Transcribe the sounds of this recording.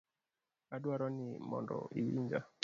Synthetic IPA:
adwaɾɔnɪmɔndɔ̰ʔiwiɲd͡ʒa

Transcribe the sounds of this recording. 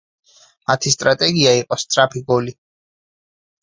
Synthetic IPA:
mat̪ʰist̪ʼɾat̪ʼɛɡiaiqʼɔst̪sʼɾapʰiɡɔli

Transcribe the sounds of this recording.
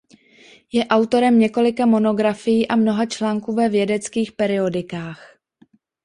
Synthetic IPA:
jɛʔawt̪o̞ɾɛmɲɛko̞lɪkamo̞no̞ɡɾafɪjiːʔamno̞ɦat͡ʃlaːŋkuːvɛvjɛdɛt͡skiːxpɛɾɪo̞dɪkaːx

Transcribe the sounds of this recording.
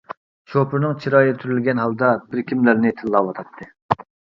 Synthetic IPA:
t͡ʃʰopɨɾnɨŋt͡ʃʰiɾɑjt̪ʰyɾylɡʲɛnɦɑlˠd̪ɑbɪɾkʲimlæɾnɪt̪ʰɪlːɑwɑt̪ʰɑt̪ʰːɨ

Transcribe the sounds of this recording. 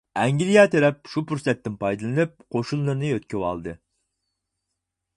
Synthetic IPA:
ɛŋɡʲilijɑt̪ʰɛɾɛp̚ʃupuɾsɛt̪ːɪnpɑjd̪ɨlˠɨnɨp̚qʰoʃunːˠɨɾnɨøt̪̚kʲywɑ̰lˠd̪ɨ

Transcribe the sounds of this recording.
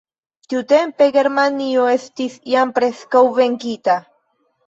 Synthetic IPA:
t̪jut̪empeɡeɾmanioest̪isjampɾeskawveŋkit̪a

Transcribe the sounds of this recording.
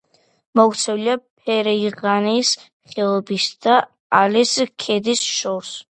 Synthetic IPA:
mɔkʰt̪sʰɛwliapʰɛɾɛiʁanis | χɛlˠɔbisd̪a | aliskʰɛd̪isʃɔs

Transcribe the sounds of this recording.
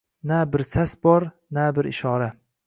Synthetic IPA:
nabɪɾsasbɒɾ | nabɪɾɪʃɒɾa

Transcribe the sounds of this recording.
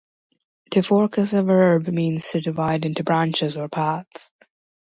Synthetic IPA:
tʰɨfɔɹkəsəvɜ˞bmĩːnz̥tʰɨdɨvaɪdɪ̃ntubɹæ̃nt͡ʃɪzə˞pʰɑts

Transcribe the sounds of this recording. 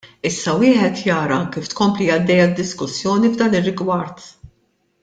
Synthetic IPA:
ɪsːɐwɪːħɛt̪jɐːɾɐɐŋkːiːft̪kɔmplijɐd̪ːɛjɐd̪ːɪskʊsːjɔːnivd̪ɐːnɪrːɪɡwɐɾt̪

